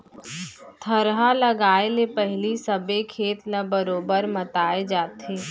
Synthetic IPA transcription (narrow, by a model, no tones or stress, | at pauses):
t̪ʰəɾɦaləɡaːelepɛɦɪlisəbekʰeːt̪nɐbəɾoːbəɾmət̪aːed͡ʒaːt̪ɦeː